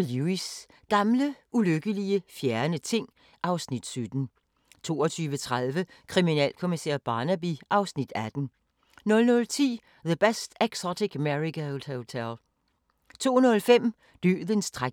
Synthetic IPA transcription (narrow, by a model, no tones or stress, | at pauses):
luis | ɡ̥ɑ̈mləʔuløɡ̥əliəfjæɐnət͡sʰe̝ŋ̰ | ʔɑ̈ʊsnid̥sød̥n̩ | t͡sʰo̝̰ːɒt͡sʰyːʋət͡sʰʁaðˠʋəkʰʁiminɛ̰ːlkʰo̝misḛɐb̥ɑ̈ːnæb̥iʔɑ̈ʊsnid̥æd̥n̩ | nɔ̽lnɔ̽lt͡sʰḭː | ðəb̥esd̥æɡ̥sɒdiɡ̥meʁiɡæod̥ot͡sʰel | t͡sʰo̝̰ːnɔ̽lfem̰ | d̥y̰ːðˠənsd̥ʁa